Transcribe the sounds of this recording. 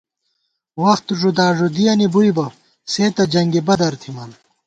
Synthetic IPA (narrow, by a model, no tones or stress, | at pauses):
wɐxt̪ʐud̪aːʐod̪ijɐnibuibɐ | seːt̪ɐd͡ʑɐŋɡebɐd̪ɐɾt̪ʰimɐːn